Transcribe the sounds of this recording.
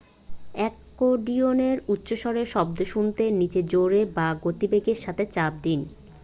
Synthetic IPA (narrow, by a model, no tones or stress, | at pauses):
ɛkːoɖioneɾut̪ːɕoʃɔɾeʃɔb̚d̪oʃunt̪enit͡ɕed͡ʑoɾebaɡot̪ibeɡeɾʃat̪ʰet͡ɕab̚d̪in